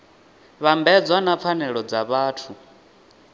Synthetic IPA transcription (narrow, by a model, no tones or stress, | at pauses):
βambɛd͡zwanap̪fʰanɛɺɔd͡zaβaːtʰu